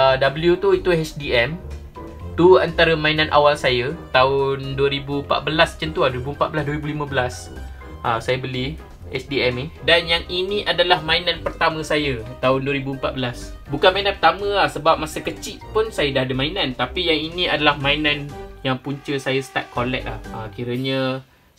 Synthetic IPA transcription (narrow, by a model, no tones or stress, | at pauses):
dabəljut̪uit̪uɛt͡ʃdiɛm | t̪uant̪aɾəmãinãnʔa̰walsajət̪aʊnduwəɾibumpa̰t̪̚bəlast͡ʃənt̪uahduɾibuəmpat̪̚bəlasduəɾibulimə̃bəlas | ʔəsajəbəli | ɛ̰t͡ʃdiɛmidanjaŋinĩʔadalahmãinãnpərt̪amə̃sajət̪aʊnduwəɾibuəmpat̪̚bəlas | bukanmãinãnpərt̪amə̃lahsəbap̚masəkət͡ʃiʔpʊnsajədaadəmãinãnt̪apijaŋinĩadalahmãinãnjaŋpuɲt͡ʃəsajəsə̥t̪a̰t̪̚kʰolɛ̰k̚la̰həkiɾəɲə